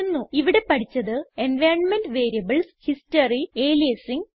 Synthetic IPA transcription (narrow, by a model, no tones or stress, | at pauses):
nːuiʋiɽe̞pɐʈʰit͡ɕːɐðɨe̞nʋeːɳmenɖʋe̞ːɾijɐbɐlshistɐrieːlijɐsiŋ